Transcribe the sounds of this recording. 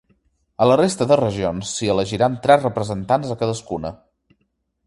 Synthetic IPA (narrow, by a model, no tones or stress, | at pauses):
ələrest̪əðərəʒionsːiələʒiɾant̪ɾɛzrəpɾəzənt̪anzəkəðəskunə̰